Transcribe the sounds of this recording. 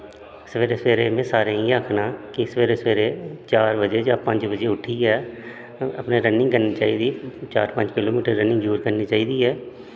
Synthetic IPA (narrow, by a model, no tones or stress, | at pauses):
səʋeːɾeːsʋeːɾeːmẽːsaːɾeːĩːakʰnaːkɪsəʋeːɾeːsʋeːɾeːt͡ʃaːɾbəd͡ʒeːd͡ʒaːpə̃ɲd͡ʒbəd͡ʒeːʊʈʰiːɛː | ə̰pnẽːɾənɪ̃ŋɡkəɾniːt͡ʃaːiːd̪iːt͡ʃaːɾpə̃ɲd͡ʒkɪloːmiːʈəɾːənɪ̃ŋɡd͡ʒuːɾkəɾniːt͡ʃaːiːd̪iːɛː